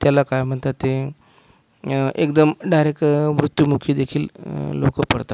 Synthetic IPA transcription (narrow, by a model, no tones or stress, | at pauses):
t̪jalakajm̤əɳt̪at̪ːe | ʔḛkd̪əmɖajɾekʋɾut̪ːjumukʰiːd̪ekʰiːllokəpəɽt̪a